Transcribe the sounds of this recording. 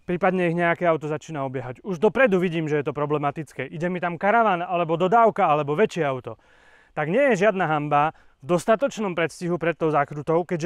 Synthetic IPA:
pɾiːpad̪ɲɛiɣɲɛakɛːaʊt̪ɔzat͡ʃiːnaɔbɪjɛɦaɟuʒd̪ɔpɾɛd̪uʋiɟiːmʒɛjɛt̪ɔpɾɔblɛmat̪it͡skɛːʔiɟɛmit̪amkaɾaʋaːnalɛbɔd̪ɔd̪aːʊkaalɛbɔʋɛt͡ʃɪɛaʊt̪ɔ | t̪aɡɲɪɛjɛʒɪad̪naɦamba | vd̪ɔst̪at̪ɔt͡ʃnɔmpɾɛt̪sciɦupɾɛt̪ːɔʊzaːkɾut̪ɔʊkɛɟʒ

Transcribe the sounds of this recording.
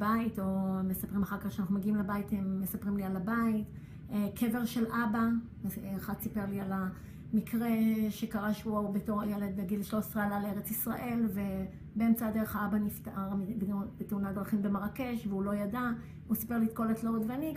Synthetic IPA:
baito̞mesapʁimaχaʁkaχʃeanaχnumeɡiimlebajitemːesapʁimlialabait | kʰe̞ve̞ʁʃe̞lʔaba | aχad̪sipeʁliala | mikʰʁe̞ʃe̞kaʁaʃubeto̞ʁajele̞d̪beɡilʃloisʁaelaleʁet͡sisʁaʔe̞lve̞ | beemt͡sad̪eʁeχaabaniftaʔaʁbb̥eteunad̪ʁaχimbe̞maʁake̞ʃveulo̞jada | usi̥pe̞ʁliːtko̞letloʁedveani

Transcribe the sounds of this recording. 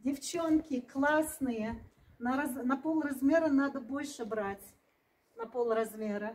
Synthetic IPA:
dʲɪft͡ɕo̞nkʲɪklˠasnɨjə | nɐɾɐznɐpo̞lˠrɐzmʲe̞ɾənad̪əbo̞lʲʂɨbɾatʲ | nɐpolˠrɐzmʲeɾə

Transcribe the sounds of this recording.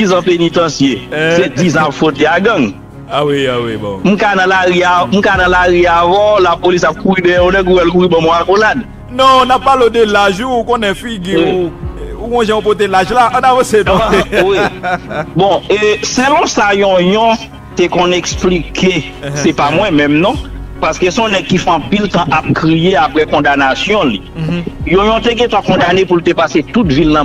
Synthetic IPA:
d͡zizɐ̃penit̪ɐ̃sjesed͡zizãapfot̪eaɡɐ̃ŋ | wiwim̩̃kanɐ̃laɣiam̩kanɐ̃laɣiavɔ̃lapolisap̚kuɣidɛ̃jɛ̃onɛ̃k̬uwɛlk̬uɣibãmɔ̃akolad | nɔ̃napːalodelaʒuːkõnɛ̃fiɡi | uɡɔ̃ʒãũpot̪̬elaʒlaʔɐ̃navɐ̃senɔ̃wi | bɔ̃eselɔ̃sajɔ̃jɔ̃ | t̪ekɔ̃neksplikʰe | sɛpamwɛ̃mɛ̃mnɔ̃paskesɔ̃nɛɡ̚kːifɔ̃ɑ̃pilt̪ãʔap̚kʁijeapɣɛkɔ̃d̪anasjɔ̃lijɔ̃jɔ̃t̪eɡɛ̃t̪ãkɔ̃d̪anepult̪epaset̪utvilnã

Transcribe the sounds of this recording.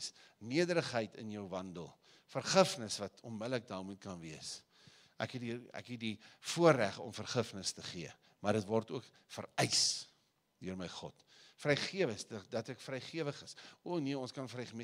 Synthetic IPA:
sniədəɾəχɦəjtʰə̰njəwvɐndə̰lˠ | fərχəfnəsvɐtʰɔnmədlək̚dɑːmut̚kɐnviəs | ʔæ̰kɦɛdiæ̰kɦɛt̚difuəræχɔ̰mfərχəfnəstəχiə | mɐrdətvɔrtuək | fəɾɛjs | duərməjχɔ̰t | frɛjχiəvəsdədɐtækfrɛjχiəvəχəsuəniəɔnskɐnfɾɛjχəm

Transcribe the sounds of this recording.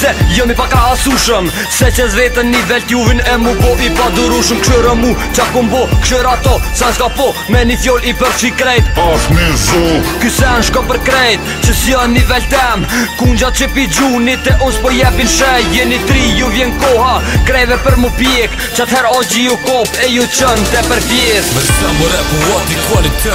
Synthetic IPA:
sɛjɔmipakɾaasuʃəm | sɛt͡ɕəzɾɛt̪ənːivɛlt̪juvinɛmukɔʔipad̪uɾuʃəmkʃɔɾəmut͡ʃakɔmbɔkʃɔɾat̪ɔsasɡapɔ | mɛnifjɔlipəɾsikɾɛjt̪asmizɔkysɛnʃkɔpəɾkɾɛjt̪̚ | t͡ʃəsjənivɛlt̪ɛmkuɲd͡ʑat͡ʃəpid͡ʑunit̪ɛʔɔsɛpɔjɛpinʃɛjjənit̪ɾijuvjɛnkɔhakɾɛvɛpəɾməpjɛk | t͡ʃat̪hɛɾɔd͡ʑijukɔpɛjut͡ʃənt̪ɛpəɾtjɛɾmɛstɛmɔɾɛpuɔt̪ikfɔni

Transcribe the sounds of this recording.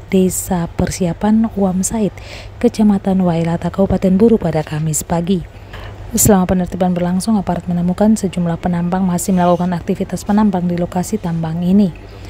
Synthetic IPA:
desapərsiapanuamsaɪt̪̚kət͡ʃamat̪anwaelat̪akəupat̪ɛnbuɾupadakamɪspaɡi | səlamapənərt̪ipanbərlaŋsʊŋapaɾat̪̚mənəmukansəd͡ʒumlahpənampaŋmasɪhməlakukanak̚t̪ifit̪aspənampaŋdilokasit̪ambaŋini

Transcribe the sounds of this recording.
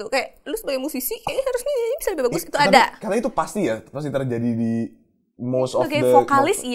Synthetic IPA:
t̪ukajaʔlʊsəbaɡajmusisikaahaɾʊsɲajɲabisaləbihbaɡʊsit̪uadakanait̪upast̪ijapas̬it̪ərd͡ʒadidi | mosɔɡaəfokalɪsi

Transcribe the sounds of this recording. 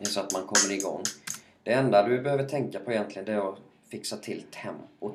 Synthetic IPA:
ɛsɔat̪mankʰɔmːəɾɪɡɔ̰ŋː | d̪̥ɛɛnd̪ad̪ɵbɛhøːvəʈʰɛŋkapʰɔɛjɛnt̪lɪɡənd̪ɛɾɔ | fɪksat̪ʰɪlt̪hɛmːɔ

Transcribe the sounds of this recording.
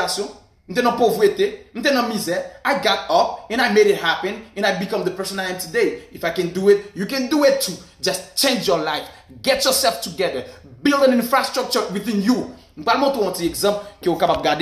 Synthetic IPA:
aso | n̩tenɔ̃povueten̩tẽnɔmizɛaɪɡatɔpɛ̃naɪmeɾɪt̚hapɛ̃nɛ̃naɪbikʌ̃mdəpɛsɔ̃naɪjɛ̃mtudeifaɪkɛ̃nduɪt̚jukɛ̃nduɪtʰːu | d͡ʒʌst͡ʃẽnd͡ʒjɔlaɪf | ɡɛtjɔsɛlftuɡɛðə˞ | bilˠdɛ̃nĩnfɹastɹ̥ɔk̚t͡ʃəwiθĩnju | m̩ɡ͡balmɔtuwɔ̃tiɛɡzãmpkɛ̃wokãmap̚ɡad

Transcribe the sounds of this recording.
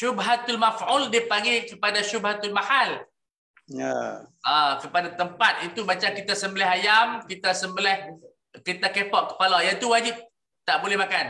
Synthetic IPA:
ʃubɦat̪almafuldiəpaɡikəpadaʃubɦat̪ulmahal | ja̰ʔakəpadat̪əmpat̪̚it̪umat͡ʃamkit̪asəmbəlɛɦajamkit̪asəmbəlɛh | kit̪akepɔʔkːə̥palajat̪uwad͡ʒip̚ | t̪aʔbolɛhmakan

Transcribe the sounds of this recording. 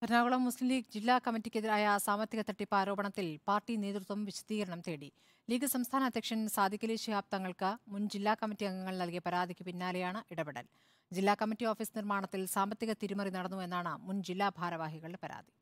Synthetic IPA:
kɐɾnaːɡuɭɐmːuslimliːɡ̚d͡ʑilːaːkɐmːitːikʲːeðiɾaːjɐsaːmbɐt̪jiɣɐt̪ɐʈːipaːɾoːbɐɳɐt̪ːilpaːrʈineːd̪rut̪wɐmʋiɕɐ̥d̪iːɣɐɾɐɳɐmt̪e̞ːɽi | liːɡɐsɐmst̪ʰaːnɐd̪ʱjɐkʂɐnsaːd̪ʱikʲːɐliɕɐjaːp̚t̪ɐŋːɐɭkɨmund͡ʑilːaːkɐmitːiɐŋɡɐŋːɐɭnɐlkijɐpɐɾaːd̪ʱikʲːupinːaːlejaːɳɨʔiɽɐbeɽɐ̰l | d͡ʑilːaːkɐmitːio̞ːfiːsnirmaːɳɐt̪ːilsaːmbɐt̪ːjiɣɐt̪iɾumɐrinɐɽɐnːue̞nːaːɳɨmund͡ʑilːaːbʱaːɾɐʋaːɦiɣɐɭɖepɐɾa̰ːd̪ʱi̥

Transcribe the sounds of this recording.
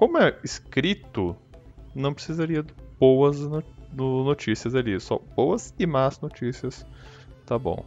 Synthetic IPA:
kõmʊɛɪskɾit̪ʊnɐ̃w̃pɾɪsizaɾiɐd̪ʊb̥owɐznonʊnot͡ʃisiɐzalisɔ̰bowɐzɪmaznot͡ʃisiɐs | t̪abõ̰

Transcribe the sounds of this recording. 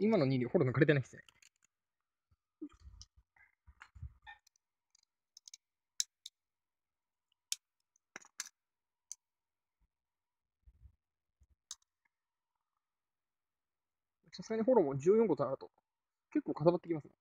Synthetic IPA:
imanoɲ̟ĩɾiaho̞ɾonokaɾet̪e̞naisɨne | sasɨɡaɲ̟iɦo̞ɾo̞mo̞d͡ʑɨːjoŋkot̪onaɾɯ̟t̪o̞ | ke̞kːoːkat̪abat̪ːekʲimasɨno̰

